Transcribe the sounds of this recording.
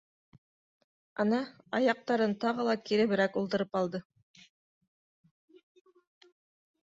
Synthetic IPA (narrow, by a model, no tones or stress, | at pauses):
ɑnɑ | ɑjɑq̚t̪ɑɾɤnt̪ɑʁɤlˠɑkiɾɘ̆βɘ̆ɾækulˠt̪ɤ̆ɾɤpɑlˠd̪ɤ